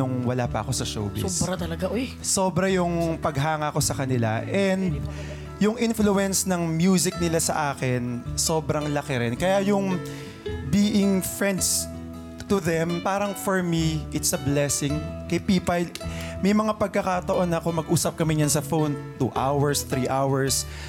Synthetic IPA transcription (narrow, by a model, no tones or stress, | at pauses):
ʊŋwɐlaːpɐ̰ʔɐko̞sɐʃo̰wbɪ̰sɐt̪ɐlɐɡaʔoj | so̞ːbɾɐjʊŋpɐɡɦaːŋɐko̞sɐkɐnɪla̰ʔɛnd̪ | jʊŋʔɪnfluɛnsnɐŋmjuːzɪk̚nɪlasɐ̰ʔaːkɪnsoːbɾɐŋlɐkɪɾɪnkɐjajʊŋ | biːʔɪŋfɹɛnd̪s | t̪ʊðɛmpaːɾɐŋfɔɹmiʔɪt̪sɐblɛsɪŋkɐjpiːpɐjmɐjmɐŋapɐɡ̚kɐkɐt̪ɐʔo̞nːɐkomɐɡ̚ʔuːsɐp̚kɐmɪɲɐnsɐfownt̪ṵːʔawɛɹst̪ɾiʔawɐɹs